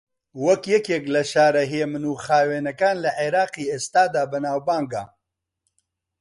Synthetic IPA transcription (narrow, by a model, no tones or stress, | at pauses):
wɐkjɛkjeklɐʃaːɾɐɦjeːmɨnuːxaːweːnɐkaːnlɐʔeɾaːqiːeːst̪aːd̪aːbɨnaːwbaːŋɡaː